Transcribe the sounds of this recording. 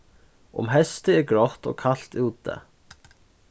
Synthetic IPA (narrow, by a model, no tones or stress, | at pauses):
ʊ̰mɦɛst̪ɪɛɾɡɾɔht̪ɔ̰ɣkʰal̥t̪uːt̪ɛ̰